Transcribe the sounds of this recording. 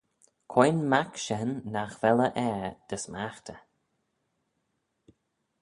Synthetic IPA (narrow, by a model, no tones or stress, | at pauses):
kʰɔjnmakʃɛnːaxvɛləʔɛɹd̪̥əsmaxt̪ʰə